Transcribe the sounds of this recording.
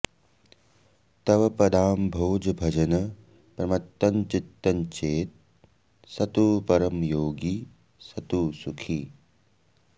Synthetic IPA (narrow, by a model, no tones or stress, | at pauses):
t̪ɐʋɐpɐd̪ʱaːmbʱoːd͡ʒɐbʱɐd͡ʒɐnɐ | pɾɐmɐt̪ːɐnt͡ʃit̪ːɐnt͡ʃeːt̪̚ | sɐt̪uːpɐɾɐmjoːɡi | sɐt̪uːsukʰi